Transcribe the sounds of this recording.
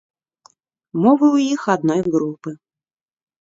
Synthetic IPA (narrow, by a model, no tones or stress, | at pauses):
mɔvɨwjixad̪nɔjɣɾupɨ